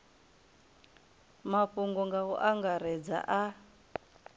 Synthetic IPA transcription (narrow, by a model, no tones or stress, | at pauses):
maɸuŋɡɔŋɡaɦɔ̰ʔaŋɡaɾɛd͡za̰ʔa